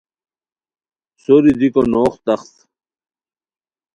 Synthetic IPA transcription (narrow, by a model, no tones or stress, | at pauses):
soɾid̪ikonoːχt̪ɐχt̪